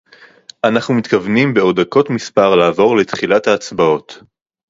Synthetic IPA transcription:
ʔanaχnumitkavnimbe̞o̞dako̞tmispaʁlaːvo̞ʁle̞t̪χilathaːt͡sbao̞t

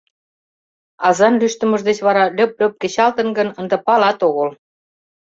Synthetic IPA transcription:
ɑzɑnlyʃt̪ə̆mə̆ʒd̪et͡ɕβɑɾɑlʲøp̚lʲøp̚ket͡ɕɑlt̪ə̆nɡə̆nənd̪ə̆pɑlɑt̪oɣɤl

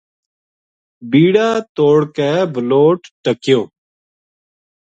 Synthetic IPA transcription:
biːɽaːt̪oːɽkɛːbʱəloːʈʈəkɪjoː

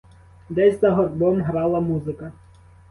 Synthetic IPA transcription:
d̪ɛzʲzɐɦɔrbɔmɦɾɑlˠɐmuzɪkɐ

